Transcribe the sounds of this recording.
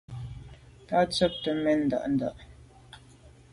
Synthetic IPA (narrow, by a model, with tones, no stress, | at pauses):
ta˦t͡sə˦p̚tə˨mɛ˦˨n̩˨da̰˨ʔn̩˨da̰˦˨ʔ